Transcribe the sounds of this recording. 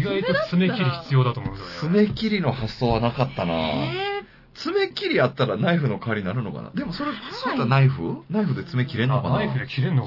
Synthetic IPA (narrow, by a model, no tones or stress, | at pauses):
iɡaiot͡sɨmekʲiɾʲiçi̥t͡sɨjo̞ːd̪at̪oːmot͡sɨme̞kʲiɾʲino̞hasːoːβanakat̪ːana̰ː | t͡sɨme̞kʲiɾʲiat̪ːaɾanaiɸɯ̟no̞kaːɾʲiɲinaɾɯ̟no̞ka̰na̰d̪e̞mo̞so̞ɾesoɾet̪oanaiɸɯnaiɸɯ̟d̪et͡sɨme̞kʲiɾe̞nːokanaiɸɯ̟d̪ekʲiɾẽnːo